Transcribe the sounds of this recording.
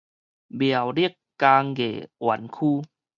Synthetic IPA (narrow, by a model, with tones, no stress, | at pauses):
bi˨˩ə˨˩wɾi˥˩əkːaː˧ŋɡḛ˨˩wa˨˧˦nkʰuː˧˨